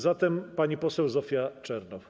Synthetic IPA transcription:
zat̪ɛmpaɲipɔsɛwzɔfʲjat͡ʂɛɾnɔf

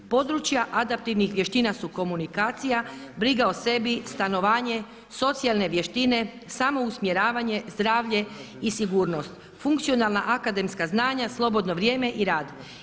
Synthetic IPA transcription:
po̞d̪ɾut͡ʃjaʔad̪ap̚t̪iʋnixʋje̞ʃt̪inasuko̞munikaːt̪sijabɾiɡaose̞bist̪ano̞ʋaːɲe̞ | so̞t̪sialˠne̞ʋje̞ʃt̪ine̞ | samo̞usmje̞ɾaːʋaɲe̞zd̪ɾaːʋʎe̞ | isiɡuːɾno̞st̪ | fuŋkt̪sijo̞nalˠnaʔakad̪e̞mskaznaːɲaslˠo̞bo̞d̪no̞ʋɾje̞ːme̞ʔiɾaːd̪

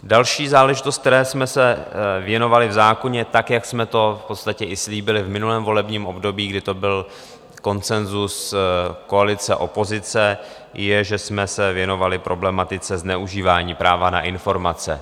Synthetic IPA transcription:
dalʃiːzaːlɛʒɪt̪ost̪̚t̪ɛɾɛːsmɛsɛvjɛno̞valɪvzaːko̞ɲɛt̪akjaksmɛt̪o̞fpot̪st̪acɛʔɪsliːbɪlɪvmɪnulɛːmvo̞lɛbɲiːmo̞bdo̞biːɡdɪt̪o̞bɪl | ko̞nt͡sɛnzusko̞alɪt͡sɛʔo̞po̞zɪt͡sɛ | jɛʒɛsmɛsɛvjɛno̞valɪpɾʔo̞blɛmat̪ɪt͡sɛznɛuʒiːvaːɲiːpɾaːvana̰ʔɪnfo̞ɾmat͡sɛ̰

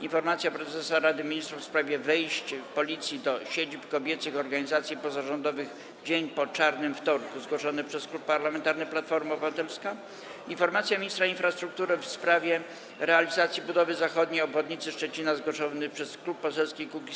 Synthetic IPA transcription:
infɔɾmat̪sʲjapɾɛzɛsaɾad̪ɘmʲiɲist̪ɾufspɾavʲjɛvɛjɕt͡ɕpɔlʲit̪sʲjid̪ɔɕed͡ʑipkɔbʲjɛt̪sɘxɔɾɡaɲizat̪sʲjipɔzaʐɔnd̪ɔvɘɣ | d͡ʑeɲpɔt͡ʂaɾnɘmft̪ɔɾkuzɡwɔʂɔnɘpʂɛsklupːaɾlamɛnt̪aɾnɘplat̪fɔɾmaɔbɨvat̪ɛlska | infɔɾmat̪sʲjamʲɲist̪ɾainfɾast̪ɾuk̚t̪uɾɘfspɾavʲjɛ | ɾɛalʲizat̪sʲjibud̪ɔvɘzaxɔd̪ɲejɔbvɔd̪ɲit̪sɘʂt͡ʂɛt͡ɕinazɡwɔʂɔnɘpʂɛsklupːɔsɛlskʲikukʲi

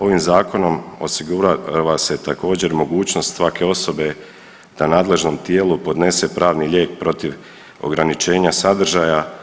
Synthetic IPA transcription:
o̞ʋimzaːko̞no̞mo̞̰siɡuɾaʋase̞t̪ako̞ːd͡ʑe̞ɾmo̞ɡuːt͡ʃt͡ɕno̞st̪sʋake̞o̞so̞be̞ | d̪̥anaːd̪le̞ʒno̞mt̪jeːlupo̞d̪ne̞se̞pɾaːʋniʎe̞ːk̚pɾo̞t̪iʋ | o̞̰ɡɾanit͡ʃe̞ːɲasad̪r̩ʒaja

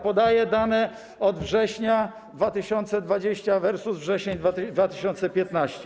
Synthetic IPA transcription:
pɔd̪ajɛd̪anɛ | ɔd̪vʐɛɕɲa | d̪vat̪ɘɕɔnt̪sɛd̪vad͡ʑeɕt͡ɕavɛɾsuzvʐɛɕɛɲd̪vad̪vat̪ɘ̥ɕɔnt̪sɛpʲjɛt̪naɕt͡ɕɛ

